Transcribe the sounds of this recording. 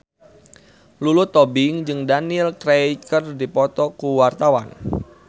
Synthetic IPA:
lulʊt̪ːɔbɪŋd͡ʒɨŋdaniɪlkɾejkərdipɔt̪ɔkuwart̪awa̰n

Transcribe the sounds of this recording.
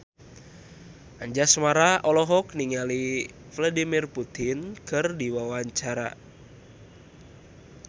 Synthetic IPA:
ʔaɲd͡ʒasmaɾaɔlɔɦɔkniŋali | vladimirput̪inkɨrdiwawaɲt͡ʃaɾa̰

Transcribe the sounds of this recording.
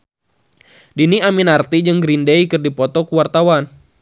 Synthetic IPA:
diniaminart̪id͡ʒɨŋɡɾindejkɨrdipɔt̪ɔkuwart̪awan

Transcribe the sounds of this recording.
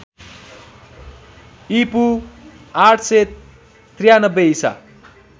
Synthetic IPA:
ipu | aʈʰse | t̪rijanʌbːeisa̰

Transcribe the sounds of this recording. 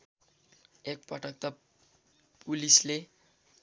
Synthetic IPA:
ek̚pʌʈʌk̚t̪ʌ | pulisle

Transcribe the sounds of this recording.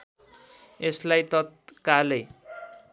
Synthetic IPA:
eslajt̪ʌt̪̚kale

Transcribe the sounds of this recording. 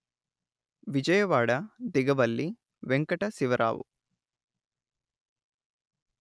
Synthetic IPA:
ʋid͡ʒɐjɐʋaːɽɐd̪iɡɐʋɐlːi | ʋeŋkɐʈɐsiʋɐɾʔa̰ːʋṵ

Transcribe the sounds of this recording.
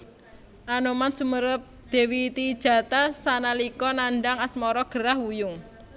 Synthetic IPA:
ʔanomansuməɾəp̚d̪̥e̤wit̪id̥ʒ̥a̤t̪asanalikɔnaɳɖaŋasmɔɾɔɡ̥ə̤ɾahwujʊŋ

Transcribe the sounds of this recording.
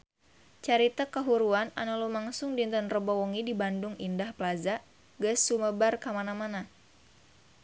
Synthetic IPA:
t͡ʃaɾit̪akəɦuɾuana̰nulumaŋsʊŋdint̪ənrəbɔwɔŋidibandʊŋindahplazaʔ | ɡəsːuməbarkamanamana

